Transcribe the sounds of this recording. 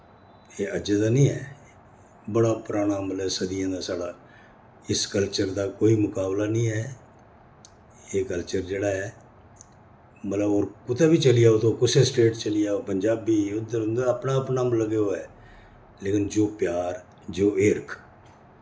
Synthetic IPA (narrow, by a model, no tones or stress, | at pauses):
eːəd͡ʒed̪aːnĩːɦɛː | bəɽaːpʊɾaːɽ̃aːmət̪ləbsəd̪ɪjãːd̪aːsaːɽaː | ɪskəlt͡ʃəɾd̪aːkoːiːmʊkaːblaːnĩːɦɛː | eːkəlt͡ʃəɾd͡ʒeːɽaːɦɛː | mət̪ləboːɾkʊt̪ɛːbiːt͡ʃəlɪjaːot̪ʰoːkʊsesʈeːʈt͡ʃəlɪjaːoːpəɲd͡ʒaːbiːʊd̪əɾʊnd̪əpnaːəpnaːmləɡeːoːɛː | leːkɪnd͡ʒoːpjaːɾ | d͡ʒoːʔɪɾkʰ